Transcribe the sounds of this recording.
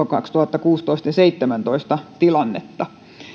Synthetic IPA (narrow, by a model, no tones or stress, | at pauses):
okɑkst̪uhɑt̪ːɑkuːst̪oist̪ɑjɑseit̪ːemænt̪oist̪ɑt̪ilɑnːḛt̪ːɑ